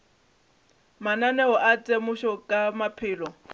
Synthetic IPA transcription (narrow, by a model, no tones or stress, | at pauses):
mananɛɦɔʔat͡sʼemʊʃɔkʼamapʰɪːlɔ